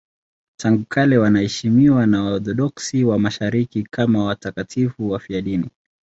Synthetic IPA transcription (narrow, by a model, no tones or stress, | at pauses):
tʰaŋɡukʰalɛwanahɛʃimiwanaɔθɔɗɔksiwamaʃaɾikikʰamawatakatʰifuwafiaɗini